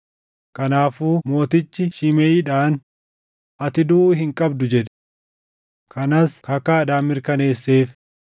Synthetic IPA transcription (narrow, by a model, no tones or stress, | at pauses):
kɐnaːfuːmo̞ːt̪ɪt͡ʃːɪʃɪmeɪᶑaːn | ʔɐt̪ɪd̪uʔːɦɪŋkʼɐbd̪ʊd͡ʒɛᶑɛ̥ | kɐnɐskɐkːaːd̪aːmːɪɾkɐne̞ːsːe̞ːf